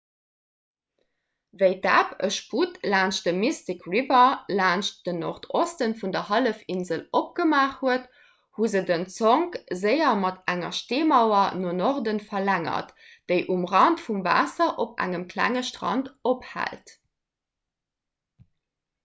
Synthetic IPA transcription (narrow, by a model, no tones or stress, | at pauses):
vəɪda̰ːpəʃputlaːnʃt̚d̥əmistikʁivɐlaːnʃtd̥əno̰ʁtʰostənfundɐhɑləfinzəlop̚ɡ̥əmaːχhuət | huzədənt͡soŋkzəɪɐmɑtæŋɐ̰ʃteːmɑʊɐnonoʁdənfɐlæŋɐ̰t | d̥əɪʔumʁɑntfumva̰ːsɐʔopʔæ̰ŋəmkʰlæ̰ŋəʃtʁɑ̰ntophæ̰lt